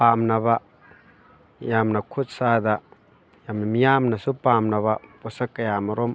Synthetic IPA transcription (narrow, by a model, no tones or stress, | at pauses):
pamnɐba | jamnɐkʰut̚sad̪ɐ | jamnɐmijamnɐsupamnɐβɐpɔsɐkːɐjamɐɾom